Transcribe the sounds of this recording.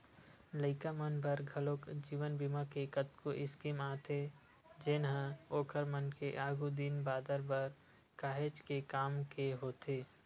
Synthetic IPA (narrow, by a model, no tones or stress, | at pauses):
ləɪkamənbʱəɾɡʱəloːkd͡ʒiːʋənbimakekət̪̚koʔɪskimaːt̪ʰe | d͡ʒɪnɦə̃oːkʰəɾmənkeʔaːɡud̪inbaːd̪əɾbəɾ | kaːɦed͡ʒkekaːmkeɦoːt̪eː